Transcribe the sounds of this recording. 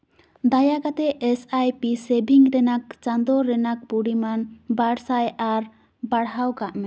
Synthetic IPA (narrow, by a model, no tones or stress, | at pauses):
d̪ajakat̪ɛʔɛsajpisɛbiŋɾɛnak̚t͡ʃand̪ɔɾɛnak̚puɽimanbaɽsajaɾ | baɽɦawkaʔmɛ